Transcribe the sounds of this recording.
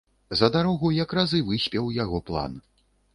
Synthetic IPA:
zɐd̪aɾɔɣujɐkrazɨvɨsʲpʲɛwjaɣɔplˠa̰n

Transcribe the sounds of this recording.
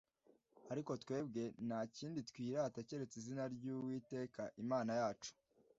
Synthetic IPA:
aɾiko̞twe̞ːbɡe̞naciːnditkwiːɾaːtace̞ɾe̞t͡sizinaɾɟuwiːte̞ːkaʔimaːnajaːt͡ʃu̥

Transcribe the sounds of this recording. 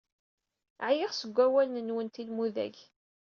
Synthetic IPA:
ʕjɪʁsəɡʷːæwælnənwənt̪ilmuðæ̰ʝ

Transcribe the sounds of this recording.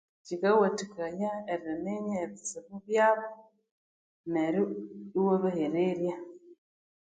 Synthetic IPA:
cikawatikajaeɾianeɲaːβiseβuβjaːβo | neɾiwoβaheɾeɾja

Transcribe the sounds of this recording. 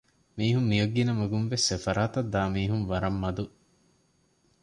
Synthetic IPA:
miːɦumːijɐɡːinɐmɐɡunʋesefɐɾaːt̪ɐd̪ːaːmiːɦunʋɐɾɐmːɐd̪u

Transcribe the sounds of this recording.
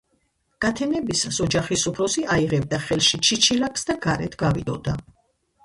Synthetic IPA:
ɡ̥at̪ʰɛnɛbisasɔd͡ʒaχisupʰɾɔsiaiʁɛb̚d̪aχɛlʃit͡ʃʰit͡ʃʰilakʰsd̪aɡ̥aɾɛ̰t̪ʰɡavid̪ɔ̰d̪a

